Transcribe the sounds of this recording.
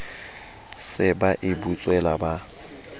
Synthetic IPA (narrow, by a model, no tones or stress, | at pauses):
sɪbaʔɪbut͡sʼwɛlaba